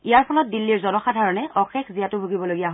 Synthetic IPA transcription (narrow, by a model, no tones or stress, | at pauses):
ijaɹpʰɔlɔt̚dilːiɹzɔnɔxadʱaɹɔnɛʔɔxɛkʰzijatʊbʱuɡibɔloɡijaɦɔ